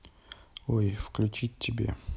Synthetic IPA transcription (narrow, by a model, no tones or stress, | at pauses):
ojfklʲʉt͡ɕitʲːɪbʲḛ